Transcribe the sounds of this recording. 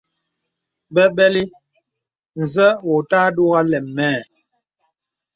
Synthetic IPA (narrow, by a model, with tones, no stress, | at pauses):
bɛ˦bɛ˦li˦ | n̩˨zə˦wo˨taː˦do˦ɣa˦lɛː˨ɛː˦˨